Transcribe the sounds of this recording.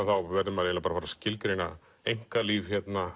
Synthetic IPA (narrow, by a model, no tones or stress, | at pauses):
θawvɛɾðɪmaɾelapaɾafaɾascɪlkɾejna̰ | ejŋ̥kaliːvçɛt̪na